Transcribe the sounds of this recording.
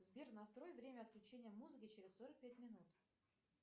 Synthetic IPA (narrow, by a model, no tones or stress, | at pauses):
zbʲernɐst̪ɾo̞jvɾʲemʲəɐt̪̚klʲʉt͡ɕenʲɪjəmuzɨkʲɪt͡ɕeɾʲɪsso̞ɾək̚pʲæt̚ʲmʲɪnut̪